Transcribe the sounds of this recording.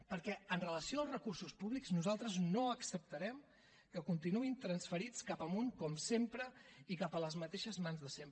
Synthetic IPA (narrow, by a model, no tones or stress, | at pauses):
pəɾkɛənrələsioəlˠzrəkursuspuβlikznuzalˠt̪ɾəznoəksəp̚t̪əɾɛm | kəkunt̪inuint̪ɾənsfəɾit͡skapəmuŋkɔmsempɾəikapələzmət̪eʃəzmanzðəsemp